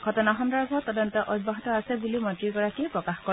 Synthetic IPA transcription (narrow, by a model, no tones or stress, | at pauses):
ɡʱɔtɔnaɦɔndaɹbʱɔtɔdɔntɔʔɔd̚baɦitɔasɛbulimɔtɹiɡɔɹakipɹɔkaxkɔ